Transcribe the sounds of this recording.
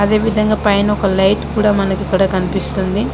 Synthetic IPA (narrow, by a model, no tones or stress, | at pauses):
ɐd̪e̞ːʋid̪ʱɐŋɡaːpɐjnɔkɐlɐjʈkuːɽaːmɐnɐkikːɐɽaːkɐnipist̪und̪i